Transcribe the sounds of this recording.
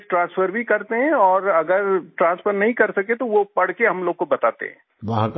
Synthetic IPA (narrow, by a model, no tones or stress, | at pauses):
sʈɾãːnsfʰəɾbʱikɐɾt̪eɦɛ̃ɔːɾɐɡəɾʈɾãːnsfʰəɾnɐɦĩkɐɾsɐket̪oʋopɐɽ̤keɦɐmloːɡ̚kobɐt̪aːt̪ḛɦɛ̃ː | ʋɐɦãk